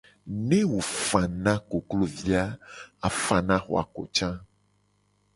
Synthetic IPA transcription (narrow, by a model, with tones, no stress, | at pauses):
nẽ˦wo˨fã˨nã˦ko˨klo˨vi˦a˦a˨fã˨nã˦xɔ̰˨a̰˨ko̰˨t͡ʃã˦